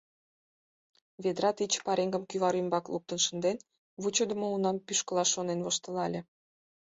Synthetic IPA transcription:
βed̪ɾɑt̪it͡ɕpɑɾeŋɡə̆mkyvɑɾymbɑklˠup̚t̪ə̆nʃə̆nd̪en | βut͡ɕod̪ə̆mounɑmpyʃkə̆lɑʃonenvoʃt̪ə̆lɑlʲĕ

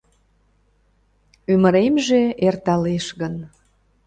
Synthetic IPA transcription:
yməɾemʒeʔert̪ɑleʃɣən

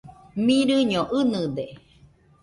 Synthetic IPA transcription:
mĩɾɨɲõʔɨnɨd̪e

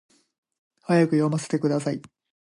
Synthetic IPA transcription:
hajakɯ̟jomase̥t̪e̞kɯ̟d̪asai

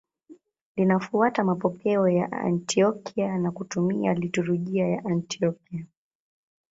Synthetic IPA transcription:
linafuatamapɔkɛɔja̰ʔa̰ntʰiɔkʰianakutumialituɾuʄiajaʔantiɔkia

